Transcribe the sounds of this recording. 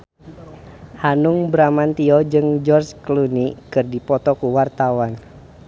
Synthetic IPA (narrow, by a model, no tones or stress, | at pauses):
hanuŋbɾamant̪iɔd͡ʒɨŋd͡ʒɔrt͡ʃklunikɨrdipɔt̪ɔkuwart̪awan